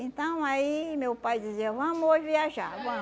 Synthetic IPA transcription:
ẽnt̪ɐ̃w̃aimewpajd͡ʒiziɐvɐ̃mʊoʒiviaʒa̰ɡɐ̃

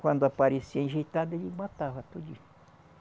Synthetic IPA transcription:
kʷãnd̪oapaɾesiãʒit̪and̪ed͡ʒimãt̪aɦat̪ud͡ʒi

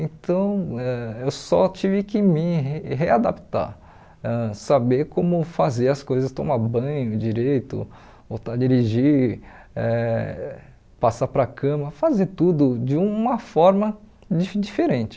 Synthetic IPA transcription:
ẽt̪ɐ̃w̃ɛewsɔt͡ʃivɪkɪmɪɦead̪apt̪a̰ | ɛsabeɾkõmʊfazeɾɐskojzɐst̪õmabɐ̃j̃ʊd͡ʒiɾejt̪ʊ̰ | ot̪ad͡ʒiɾiʒi | ɛ | pasapɾɐkʰɐ̃mɐfazeɾt̪ud̪ʊd͡ʒɪũmɐfɔɾmɐ | d͡ʒid͡ʒifeɾẽt͡ʃɪ̥

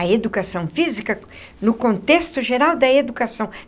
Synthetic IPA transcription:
ɐed̪ukasɐ̃w̃fizikɐ | nʊkõnt̪est̪ʊʒeɾawd̪ɐed̪ukasɐ̃w̃

